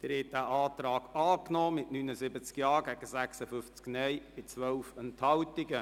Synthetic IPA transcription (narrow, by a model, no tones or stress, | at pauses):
d̪̥əɾɛt̚dæʔaːtrɑːɡ̥ɑːknɔːmɪtnynəzɪbət͡skjɑːɡɛɡ̥əsæksəfʏft͡sknɛjb̥ɪt͡sʋœwfɛnthɑltɪɡə